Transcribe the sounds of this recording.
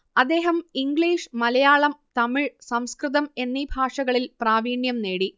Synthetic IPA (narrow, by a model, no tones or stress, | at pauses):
ɐd̪ːe̞ːɦɐmiŋɡɭiːʂmɐlɐjaːɭɐmt̪ɐmiɻsɐmskrɨðɐme̞nːibʱaːʂɐɣɐɭilpraːʋiːɳjɐmne̞ːɽi